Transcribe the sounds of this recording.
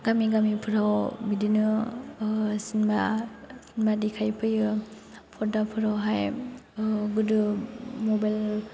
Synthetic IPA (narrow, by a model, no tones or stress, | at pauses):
ɡamiɡamipʰɯɾawbidinɯ | sinbasinbadikʰajpʰɯjɯ | pʰɔdapʰɯɾawɦaj | ɡudɯmɔbajl